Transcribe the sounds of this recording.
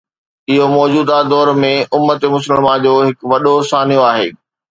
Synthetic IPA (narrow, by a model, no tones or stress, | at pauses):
ɪɦomɔːd͡ʑuːd̪ad̪ɔːɾmẽʔʊmːət̪emʊs̬ələlmãd͡ʑoːɦɪkʋɐɗosaːnijoaːɦḛː